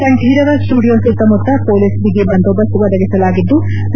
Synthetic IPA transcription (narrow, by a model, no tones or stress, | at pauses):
kɐɳʈiːɽɐʋɐsʈuːɽijomsit̪ːɐmɔt̪ːɐpoːlisbiɡebɐnd̪oːb̪ɐsuʋɐd̪ɐɡisɐlaːɡid̪ːu